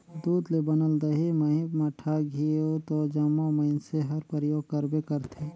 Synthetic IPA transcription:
d̪uːd̪lebɐnəld̪ɐɦimɐɦĩmɐʈʰaɡʱiot̪od͡ʒɐmõmɐɪnseɦɐɾpəɾjoːɡ̚kɐɾbekəɾt̪ʰeː

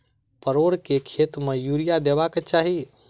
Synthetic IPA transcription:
pəɾoɾkekʰet̪mejuɾijad̪ebaket͡ʃaɦi

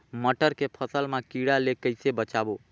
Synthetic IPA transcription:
məʈəɾkepʰəsəlmekiɽalekəjsebət͡ʃabo

